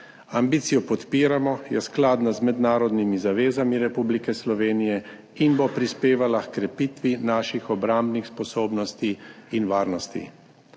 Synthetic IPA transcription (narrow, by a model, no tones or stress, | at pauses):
ambiːt̪sijɔpɔt̪piːɾamɔjɛsklaːd̪nazmɛd̪naːɾɔd̪nimizaʋeːzamiɾɛpublikɛslɔʋeːnijɛ | inbopɾispeːʋalakkɾɛpiːt̪ʋinaːʃixɔbɾambnixspɔsoːbnɔst̪iːnʋaːɾnɔst̪ḭ